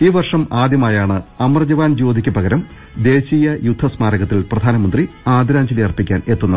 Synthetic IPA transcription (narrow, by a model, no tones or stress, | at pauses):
iːʋɐrʂɐmaːd̪jɐmaːjaːɳɨɐmɐrɐd͡ʑɐʋaːnd͡ʑo̞ːd̪ʱikʲːupɐɣɐɾɐm | d̪e̞ːɕiːjɐjud̪ʱːɐsmaːɾɐɣɐt̪ːilprɐd̪ʱaːnɐmɐnd̪riaːd̪iɾaːɲd͡ʑɐlijɐrpːikʲːaːne̞t̪ːunːɐ